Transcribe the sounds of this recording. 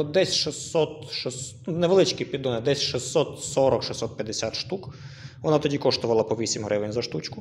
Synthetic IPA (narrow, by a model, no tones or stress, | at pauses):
d̪ɛsʲʃɪsɔt̪ʃɪs | nɛʋelˠɪt͡ʃkipʲid̪ɔnɛd̪ɛsʲʃɪsːɔt̪sɔɾɔkʃisːɔt̪̚pʲjɐd̪esʲat̪ʃt̪ukʋɔnɑt̪ɔdʲikɔʃt̪ʊʋɐlˠɐpɔʋʲisʲimɦɾɪʋenʲzɐʃt̪ut͡ʃkʊ